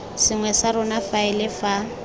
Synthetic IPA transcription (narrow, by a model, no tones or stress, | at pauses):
sɪŋwɛsaɾʊnafaɪlɪfa